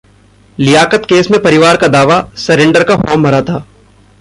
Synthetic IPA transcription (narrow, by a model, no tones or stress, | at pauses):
lɪjaːkət̪keːsmẽpɐɾɪʋaːɾkad̪aːʋasɐɾẽːɳɖəɾkafɔːmːɐɾat̪ʰaː